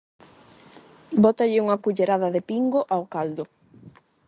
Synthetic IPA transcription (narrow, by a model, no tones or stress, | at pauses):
bɔt̪aʎɪuŋakuʎeɾaðaðɪpiŋɡoʔawkald̪ʊ